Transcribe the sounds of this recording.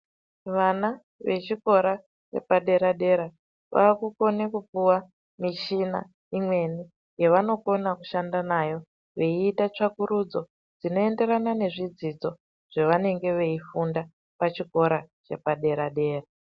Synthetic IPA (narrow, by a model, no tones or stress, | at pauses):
ʋana | ʋe̞t͡ʃiko̞ɾa | t͡ʃḛpaɗe̞ɾaɗe̞ɾa | ʋa̰ːkuko̞nekupuwa | miʃina̰ | imwe̞ni | jeʋano̞ko̞naku̥ʃandanajo̞ | ʋe̞iːtat͡ʂakuɾud͡zo̞ | d͡zino̞e̞nde̞ɾanane̞ʐid͡zid͡zo̞ | ʐ̥eʋane̞ŋɡe̞ʋe̞ifunda | pat͡ʃiko̞ɾat͡ʃe̞̰paɗe̞ɾaɗe̞ːra